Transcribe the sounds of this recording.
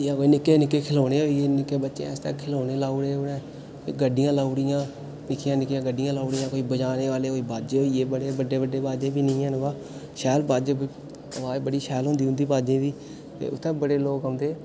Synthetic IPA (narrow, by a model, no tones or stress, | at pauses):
jaːkoːinɪkːeːnɪkːeːkʰɪloːɽeːɦoːieːnɪkːeːbətːʃḛ̃ːɛst̪ɛ̰ːkʰɪloːneːlaːuɽeːoːnẽː | koːḭːɡəɖɪjãːlaːuɽɪjãː | nɪkʰːɪjãːnɪkːjãːɡəɖɪjãːlaːʊɽɪjãːkoːiːbəd͡ʒaːneːʋaːleːoːiːbaːd͡ʒeːɦoːieːbəɽeːbəɖeːbəɖeːbaːd͡ʒẽːbiːnəĩːɛ̃ːnɡaː | ʃɛːlbaːd͡ʒe | əʋaːebəɽiːʃɛːlɦʊ̃nd̪iːɦʊ̃nd̪iːbaːd͡ʒẽːbiː | t̪ḛːʊt̪ʰːɛ̃ːbəɽeːloːkɦə̃ːnd̪eː